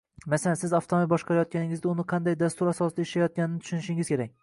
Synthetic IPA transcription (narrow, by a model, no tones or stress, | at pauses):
masalansɪzaft̪ʰomibɒʃqʰɑɾajɒt̪̚kʲanɪŋʲɪzd̪ʲaʊnɪqʰɑnd̪ajd̪ast̪ʊɾasɒsɪd̪aɪʃlajɒt̪̚kʲanɪnɪt̪ʊ̥ʃʊnɪʃɪŋɪz̥kʲʰeɾak̚ʲ